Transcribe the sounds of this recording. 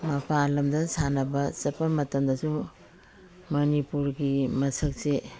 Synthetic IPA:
mɐpʰalɐmdɐsanɐbɐsɐpːɐmɐtɐmdɐsu | mɐnipuɾɡimɐsɐk̚se

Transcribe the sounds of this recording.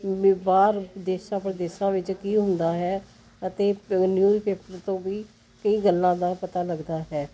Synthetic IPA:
baːɾd̪eːʃãːpɾəd̪eːʃãːʋɪt͡ʃkiːɦʊ̃nd̪aːɦɛː | ət̪eːnjuːipeːpəɾt̪õːʋiː | kəiːɡəlːãːd̪aːpət̪aːləɡd̪aːɦɛː

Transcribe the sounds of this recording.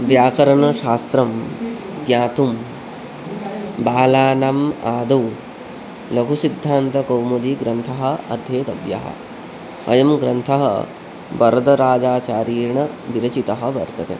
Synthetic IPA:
ʋjaːkɐɾɐɳɐʃaːst̪ɾɐm | ɡjaːt̪um | baːlaːnamaːd̪ɐw | lɐɡʱusid̪ʱːaːnt̪ɐkɐwmɐd̪iɡɾɐnt̪ʰɐɦɐ̆ɐd̪ʱjeːt̪ɐʋjɐ̰ɦɐ̰ | ɐ̰jɐmɡɾɐnt̪ʰɐɦɐ̰ | bɐɾd̪ɐɾaːd͡ʒaːt͡ʃaːɾiːɾɳɐbiɾɐt͡ʃit̪ɐɦɐ̆bɐɾt̪ɐt̪ḛ

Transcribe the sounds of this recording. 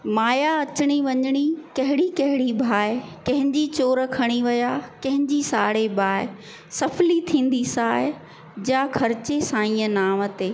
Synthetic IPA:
maːjaɐt͡ɕɪɽ̃iʋɐɲɪɽ̃ikɐɦɪɽikɐɦɪɽibʱaːɪkɐ̃ɦɪ̃ɲd͡ʑit͡ɕoːɾ̆kʰɐɽ̃iʋɐjakɐ̃ɦɪ̃ɲd͡ʑisaːɽebʱaːɪ | sɐflit̪ʰĩːn̆d̪isaːɪ | d͡ʑakʰɐɾɪt͡ɕesãːĩːə̃naːmət̪eː

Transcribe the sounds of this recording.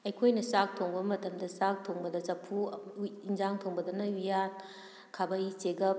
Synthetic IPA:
ɐjkʰojnɐsak̚tʰoŋbɐmɐtɐmdɐsak̚tʰoŋbɐdɐzɐpʰuind͡ʒaŋtʰoŋbɐdɐnɐujan | kʰabɐjt͡ʃeɡɐp̚

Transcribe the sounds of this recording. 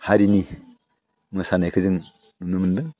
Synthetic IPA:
haɾini | mɯsanajkʰɯzɯŋ | mɯnumɯndɯ

